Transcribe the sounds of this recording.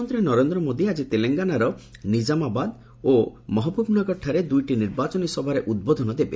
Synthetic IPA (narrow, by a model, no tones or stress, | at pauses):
nt̪ɾenɔɾend̪ɾɔmod̪iad͡ʒit̪eleŋɡanaɾɔnid͡ʒamabad̪ | omɔɦɔpɔpunakɔʈʰaɾed̪ujʈiniɾbat͡ʃɔnisɔbʱaɾeʔud̪̚bod̪ʱɔnɔd̪ebe